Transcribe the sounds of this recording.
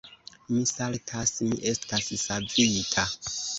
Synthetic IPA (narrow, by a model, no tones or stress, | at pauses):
misaltʰasmḭʔe̞stassavitʰa